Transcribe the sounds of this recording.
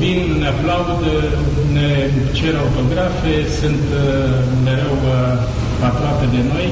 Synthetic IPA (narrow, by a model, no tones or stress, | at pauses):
vinneaplaud̪ | ne | t͡ʃeɾəaut̪o̞ɡɾafesɨnt̪ | me̞ɾe̞w | apɾoape̞d̪e̞no̞j